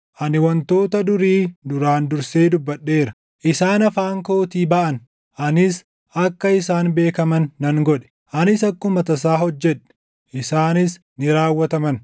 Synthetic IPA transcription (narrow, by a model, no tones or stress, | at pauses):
ʔɐnɪwɐnt̪o̞ːt̪ɐd̪ʊɾiːd̪ʊɾaːnd̪ʊɾseːd̪ʊbːɐɗːe̞ːɾɐ̥ | ʔɪsaːnɐfaːŋko̞ːt̪iːbɐʔɐn | ʔɐnɪs | ʔɐkːɐɪsaːnbe̞ːkɐmɐnːɐŋɡɔᶑɛ̥ | ʔɐnɪsɐkːʊmɐt̪ɐs̬aːɦɔd͡ʒːɛᶑɛ̥ | ʔɪsaːnɪs | nɪɾaːwːɐt̪ɐmɐn